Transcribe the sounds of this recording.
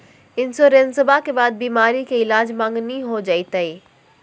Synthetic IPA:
ɪnsoɾensɐbakebaːd̪̚biːmaːɾikʰeɪlaːd͡ʑmãːŋɡniɦod͡ʒɐit̪ɐiː

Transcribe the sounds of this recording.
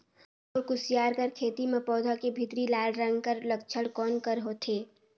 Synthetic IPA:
oːɾkʊsɪjaːɾkəɾkʰeːt̪imẽpɔːd̪ʱakebʱɪt̪ɾilaːlɾə̃ŋɡkəɾlək̚t͡ʃʰəɽkɔːnkəɾɦoːt̪ʰeː

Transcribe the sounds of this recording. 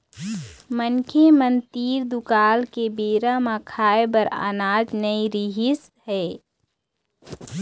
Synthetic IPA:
mənkʰemənt̪iːɾd̪ukaːlkebeːɾamãkʰaːebəɾa̰ːnaːd͡ʒnəiɾiɦɪs | ɦɛː

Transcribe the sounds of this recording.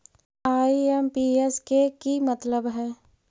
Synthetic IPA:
aːiɛmpiːeskekimət̪ləbɦɛ̃ː

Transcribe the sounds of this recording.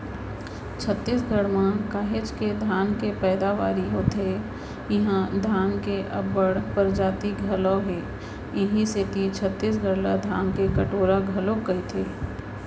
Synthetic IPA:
t͡ʃʰət̪ːiːsɡʱəɽmãkaːɦet͡ʃked̪ʱaːnkepɛːd̪aʋaːɾiɦoːt̪ʰe | jɪɦãd̪ʱaːnkeʔɐbːəɽpəɾd͡ʒaːt̪iɡʱɐlɔ̃ɦe | ɪɦĩset̪it͡ʃʰət̪ːiːs̬ɡʱəɾlad̪ʱaːnkekɐʈoːɾaɡʱɐlokɡɐit̪ʰeː

